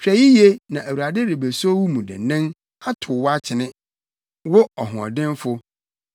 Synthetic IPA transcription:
t͡ɕᶣɾæ˨ji˦je˦nã˨ʔæ˨wu˨a˨dɪ˦dɪ˨be˨so˦wu˦mũ˨dɪ̰˨nɪ̃˦n | a˦tʰʊ˨wa˦t͡ɕʰɪ˨nɪ̃˦ | wʊ˦ɔ˨ɦʊ̃˨ɔ̰˨dɪ̃˦n˦fʊ˦

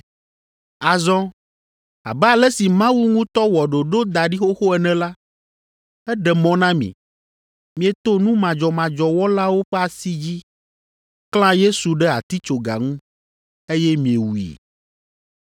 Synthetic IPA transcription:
a˨zɔ̃˦ | a̰˨bɛ˦a˨lɛ˦si˨mã˦wu˦ŋũ˦t̪ɔ˦wɔ˨ɖo˨ɖo˦d̪a˨ɖi˦xo˦xo˦ɛ˨nɛ̃˨la˦ | ɛ˦ɖɛ˨mɔ̃˦nã˦mḭ̃˨ | mĩ˨ɛ˨t̪o˦nũ˦mã˨d͡ʒɔ˨mã˨d͡ʒɔ˨wɔ˦la˦wo˦ɸɛ˦a˨si˦d͡ʑi˦ | kl̃ã˦je˦su˨ɖɛ˦a̰˨t̪i˦t͡ʃo˨ɡa̰˨ŋũ˦ | e˦jɛ˦mĩ˨e˨wu˨ḭ˨

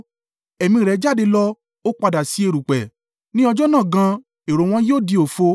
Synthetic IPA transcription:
ɛ˨mĩ˧˨ɾɛ˨˧˦d͡ʒa˦˨de˧lɔ˦ | o˦k͡pa˧da˨si˨˦e˧˨ɾu˨k͡pɛ˨ | nĩ˦ɔ˧d͡ʒɔ˦nãː˦˨ɡã˧ | e˨ɾo˨w̃ɔ̃˧joː˦˨di˧o˨fo˧

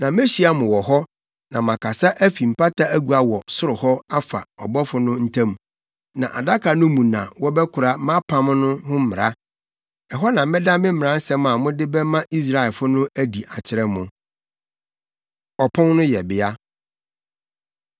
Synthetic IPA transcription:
nã˨me˦ɕi˦a˦mʊ̃˨wɔ˨ɦɔ˦ | nã˨mã˨kʰa˨sa˦ʔæ˦fi˨m̩˨pa˦tʰa˦æ˦ɡu˨a˨wɔ˨sʊ˦ɾʊ˨hɔ˦a˦fa̰˨ɔ˨bɔ˦fʊ˦nʊ̃˦n̩˦tʰã˦m̃˨ | nã˨ʔa̰˨da˦kʰa˨nʊ̃˦mũ˨nã̰˨wɔ˦bɛ˦kʰʊ˨ɾa˦mã˦pʰã˦m˦nʊ̃˦hʊ̃˦m̩˦mɪ̃˨ɾa˦ | ɛ˨ɦɔ˦nã˨mɪ̃˦dã˦mɪ̃˦m̩mɪ˨ɾã˦n̩˦sɛ̃˦mã˨mʊ̃˦dɪ˦bɛ˦mã˦ʔi˦s̬ɾa˦˨ɛ˨lfʊ˦nʊ̃˦æ˦di˨ʔa˨t͡ɕʰɪ˨˦ɾɛ˦mʊ̃˨ | ɔ˨pʰɔ̃˦nnʊ̃˦jɛ˨bɪ˨˦a˦

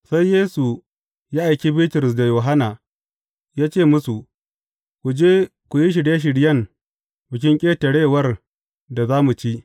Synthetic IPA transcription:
sa˦jːeː˦su˨ | jaː˦ʔa˨jkʲi˦bɪ˦ltɪ˨ɾɪ˨s̬da˨joː˨ɦa˦naː˨ | jaː˦t͡ʃeː˦˨mʊ˦su˨ | kʷu˨d͡ʒeː˦ | kʷu˨ji˦ʃ̬ɪ˨ɽja˦ʃ̬ɪ˨ɽjɐ˦˨ŋ | bɪ˨kʲɪ˦ŋkʲʼeː˦tɐ˨ɽeː˦˨wɐ˦r | da˨zaː˦mu˨t͡ʃi˦ʔ

